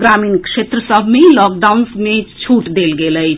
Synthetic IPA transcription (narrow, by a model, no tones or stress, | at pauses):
ɡɾaminkset̪ɾəsəbʱmelɔk̚ɖaunsmet͡ʃʰuʈd̪elɡeləjʰ